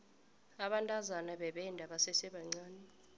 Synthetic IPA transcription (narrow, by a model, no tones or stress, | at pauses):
aɓantʼazanaɓɛɓɛndʱaɓasɛsɛɓaŋ͡ǀaːnɛ